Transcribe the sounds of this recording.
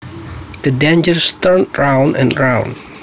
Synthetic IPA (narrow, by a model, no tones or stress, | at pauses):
d̪̥ədɛ̃nd͡ʒəɹst̪əɹnɹãw̃ndɛ̰̃nɹãʊ̃n